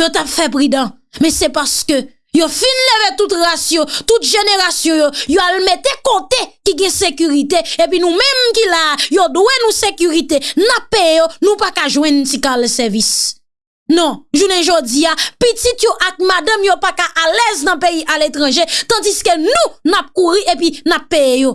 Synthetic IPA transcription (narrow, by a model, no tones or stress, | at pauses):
jot̪apfɛp̬ʁid̪ʌ̃ | mɛ̃sɛpaskø | jofinlevet̪ut̪ʁasjɔ̃t̪ut̪̚ʒeneʁasjɔ̃jojoalmet̪ekot̪ekiɡɛ̃sekyʁit̪eep̬ɥinũmɛ̃mkilajod̪wenũsekyʁit̪enapːejejonũpakaʒwɛ̃ntikalsɛvis | nɔ̃ʒunɛ̃ʒod͡ziapitit̪joʔak̚madãmjopakaʔalɛznɐ̃peiʔalet̪ʁɑ̃ʒet̪ãd͡ziskønũnap̚kuʁiʔepinapːejejo